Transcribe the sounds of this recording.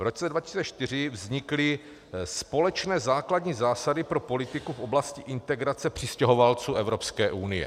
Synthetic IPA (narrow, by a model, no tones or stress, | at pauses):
vɾot͡sɛdvacɪ̥si̥t͡sɛt͡ʃt̪ɪr̝ɪvzɲɪklɪ | spo̞lɛt͡ʃnɛːzaːkladɲiːzaːsadɪpɾopo̞lɪt̪ɪkufʔo̞blascɪʔɪnt̪ɛɡɾat͡sɛpr̝̥ɪscɛɦovalt͡suːʔɛvɾo̞pskɛːʔunɪjɛ̰